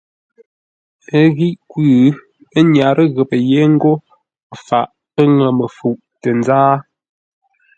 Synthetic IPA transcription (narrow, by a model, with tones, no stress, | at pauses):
ə˦ɣi˦ʔkwʉ˦˨˦ | ə˦ɲa˨ɾʔə˦ɣə˨pə˨je˦ŋ̩˦ɡo˦˨ | fa̰˨ʔ | ə˦ŋə˨mə˨fu˨ʔtə˨n˦zaː˦